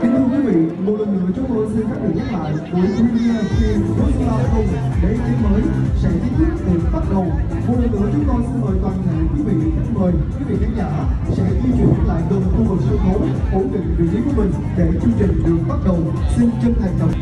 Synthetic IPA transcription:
k̪i˨˦t̪ʰɨ˧kwi˨˦vḭ˧˨mo˨˩t̚lə˨˩nːɨ̰˧˥ət͡ɕɔ˨˧˦ŋ͡mkə˧˩nsi˧nkaː˦˥k̚ɗi˨˩ɲa˦˥k̚la̰ː˧˨jku˧˩ət̪ʰu˧˦i˧a˧si˧zɨ˦˥˧laː˧ʔkə˧wŋ͡mɗe˧˩t̪i˨˦məː˨˦jsɛ̰˧˥t̪ʰi˨˦t̪ʰi˦˥ət̚t̪ɨ˨˩k̚ɓaː˦˥t̚ɗə˨˩wmo˨˩t̚lə˨˩nʔɨ˧˥ət͡ɕɨ˨˦kɔ˧nsi˧nməː˧˨jt̪waː˨˩nt̪ʰə̰˧˨jkwi˨˦vḭ˧˨˩t̪ʰə˨˧˦məː˨˩jkwi˨˦vḭ˧˨t̪ʰï˨˦ŋza̰ː˧˨sɛ̰˧˥zi˧t͡ɕwḭ˧˩nla̰ː˧˨jt̪ə˨˩nxu˧vɨ˨˩k̚sɨ˧xo˨˦ | ʔo˧˩nɗḭ˨k̚vḭ˧˩t͡ɕi˨˦ku˧˩əmï˨˩ŋ̟ɗe˧˩t͡ɕɨ˧əŋt͡ɕï˨˩ŋ̟ɗɨ˨˩ək̚ɓa˦˥t̚ɗə˨˩w | si˧nt͡ɕə˧nt̪ʰa˨˩jŋ̟ɗ̪ə˨˩k͡p̚

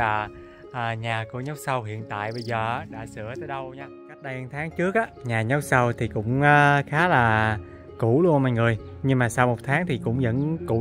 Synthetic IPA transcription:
aː˨˩ | ʔəː˨˩ɲaː˨˩ku˧˩əɲ˦˥wk͡p̚sa˧wɦḭ˧˨ənt̪a̰ː˧˨jɓə˧jzəː˨˩ʔa˨˦˥ɗa̰ː˧˥sɨ˧˩ət̪əː˧jɗə˧wɲaː˧ka˦˥t̚ɗa˧jŋt̪ʰaː˨˦ŋt͡ɕɨ˦˥ək̚ʔaː˨˦ɲaː˨˩ɲɔ˨˦˥wk͡p̚sa˧wt̪ʰi˨˩kʊ̰˧˥ŋ͡mʔaː˧˦xaː˨˦laː˨˩ | ku˧˩lu˧ənma̰ː˧˨jŋɨ˨˩əj | ɲɨ˧ŋmaː˨˩saː˧wmo˨˩t̚t̪ʰaː˨˦ŋt̪ʰi˨˩kʊ̰˧˥wŋ͡mzə̰˧˥nku˧˩

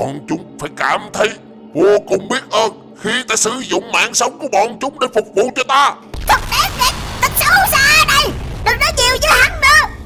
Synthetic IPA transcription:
kɔ̰˧˨nt͡ɕʊ˨˦ŋ͡mfaː˧˩jkaː˧˩mt̪ʰə˨˦j | vo˧əkʊ˧˩wŋ͡mɓi˦˥ət̚ʔəː˧n | xi˧t̪aː˧˦sɨ˧˩zʊ̰˧˨ŋ͡mma̰ː˧˨nsə˨˦wŋ͡mku˨˧˩əkɔ̰˧˨nt͡ɕʊ˨˦ŋ͡mɗe˧˩fʊ˨˩k͡p̚vṵ˧˨t͡ɕɔ˧t̪aː˧ | t̪ʰə˨˩k̚ɗɛ˨˦˥t̚vi˨˩k̚t̪ɨ˨˩k̚sə˨˦˥saː˧ɗə˨˩jɗɔ˨˩nɔ˨˦ɲi˨˩əwzɨ˧˦ha˨˩˦ŋnɨ˧˦ə

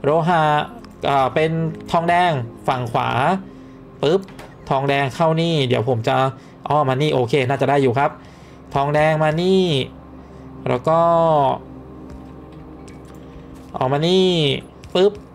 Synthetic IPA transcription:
ɾoː˧˥ɦa˧˩ | ʔɤː˨˩pe˧nt̪ʰɔː˧ŋdɛː˧ŋfa˨˩ŋkʰwa̰ː˩˦ | pɯ˦˥p̚ | t̪ʰɔː˧ŋdɛː˧ŋkʰa˥˩wniː˥˩di˩˦əwpʰo˩˦mt͡ɕa˧ | ʔɔː˧˩maː˧niː˥˩ʔoː˧kʰeː˧naː˥˩t͡ɕa˨˩daː˥˩jːuː˨˩kʰɾa˦˥p̚ | t̪ʰɔː˧ŋdɛː˧ŋmaː˧niː˥˩ | ɾɛ̰ː˦˥wkɔː˥˩ | ʔɔ̰ː˨˩maː˧niː˥˩ | pɯ˦˥p̚

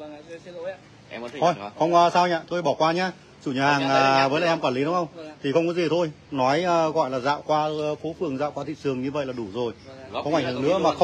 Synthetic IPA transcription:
ʔo˧˩jxə˧wŋ͡mːsaː˧wɲaː˧˨t̪ʰo˧jɓɔ˧˩kwaː˧ɲaː˧ | t͡ɕṵ˧˩ɲaː˨˩haː˨˩ŋʔaː˨˩vəː˨˦laː˧˨ʔɛ˧mkwaː˧˩nli˨˦ɗʊ˨˦ŋ͡mxə˧wŋ͡mt̪ʰi˨˩xə˧wŋ͡mkɔ˨˦zi˨˩t̪ʰo˧j | nɔ˨˦jəː˨˩ɣɔ̰˧˨jlaː˨˩za̰ː˧˨wkwaː˧fo˨˦fɨ˨˩əŋza̰ː˧˨wkwaː˧t̪ʰḭ˧˨sɨ˨˩əŋɲɨ˧və̰˧˨jlaː˨˩ɗu˧˩zo˨˩jkkɔ˧wʔa˧˩ŋ̟hɨ˨˩ənɨ̰˧˥əmaː˨˩xə˧

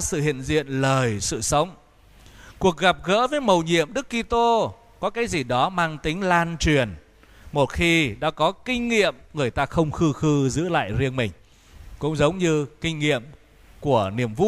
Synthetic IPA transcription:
sɨ̰˧˨hḭ˧˨nzḭ˧˨ənləː˨˩jsɨ̰˧˨sə˨˦wŋ͡m | ku˨˩ək̚ɣa˨˩p̚ɣə̰ː˧˥vəː˨˦jmə˨˩wɲḭ˧˨əmɗɨ˦˥kːi˧t̪o˧ | kɔ˨˦kaː˨˦jzi˨˩ɗɔ˨˦maː˧ŋt̪ï˨˦ŋ̟laː˧nt͡ɕwi˨˩ən | mo˨˩t̚xi˧ɗa̰ː˧˥kɔ˨˦kï˧ŋ̟ŋḭ˧˨əmŋɨ˨˩əjt̪aː˧xə˧wŋ͡mxɨ˧xɨ˧zɨ̰˧˥la̰ː˧˨jzi˧ənmï˨˩ŋ̟ | kʊ̰˧˥ŋ͡mzə˨˦wŋ͡mɲɨ˧kï˧ŋ̟ŋḭ˧˨əm | ku˧˩əni˧˩əmvṵ˧˥

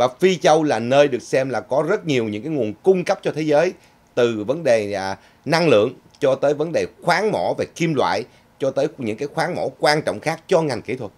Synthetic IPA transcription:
vaː˨˩fi˧t͡ɕə˧wlaː˨˩nəː˧jɗɨ˨˩ək̚sɛ˧mlaː˨˩kɔ˨˦zə˦˥t̚ɲi˨˩əwɲɨ̰˧˥ŋkaː˨˦jŋu˨˩ənkʊ˧ŋ͡mkə˦˥p̚t͡ɕɔ˧t̪ʰe˨˦zəː˨˦j | t̪ɨ˨˩və˨˦nɗe˨˩˨ | na˧ŋlɨ̰˧˨əŋ | t͡ɕɔ˧t̪əː˨˦jvə˨˦nɗe˨˩xwaː˨˦ŋmɔ̰˧˩ve˨˩ki˧mlwa̰ː˧˨j | t͡ɕɔ˧t̪əː˨˦jɲɨ̰˧˥ŋkaː˨˦jxwaː˨˦ŋmo̰˧˥kwaː˧nt͡ɕɔ̰˧˨wŋ͡mxaː˦˥k̚t͡ɕɔ˧ŋa˨˩jŋ̟kḭ˧˩t̪ʰwə˨˩t̚

